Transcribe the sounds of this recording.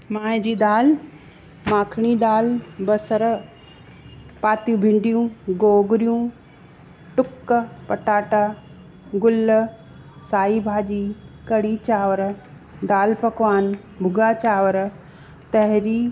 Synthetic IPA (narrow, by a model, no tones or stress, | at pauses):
maːĩd͡ʑiːd̪aːl | mãːkʰɽ̃id̪aːlbɐsəɾ | paːt̪jũːbʱɪ̃ɳɖijũɡoːɡʊɾijũː | ʈʊkːpɐʈaːʈa | ɡʊl | saːibʱaːd͡ʑiːkɐɽit͡ɕaːʋəɾ | d̪aːlpɐkʋaːn | bʱʊɡaːt͡ɕaːʋəɾ | t̪ɐɦɾiː